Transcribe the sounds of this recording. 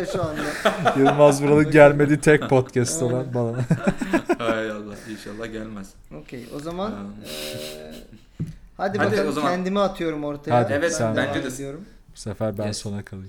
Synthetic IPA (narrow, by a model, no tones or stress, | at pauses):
ʃuand̪ajɯlˠmazbuɾalɯɟælʲme̞d̪iːt̪ʰɛc̪̚pʰot̪cʰæst̪ʰalˠanbalˠan | hajalˠːahinʃalˠːahɟælʲmæz̥ | ocʲʰejo̞̰zaman | had̪iænd̪imiat̪ʰɯjo̞ɾumo̞ɾt̪ʰahad̪iɛvɛsænbænd͡ʒɛd̪d̪ijo̞ɾum | busefæɾbænso̞nakʰalˠɯ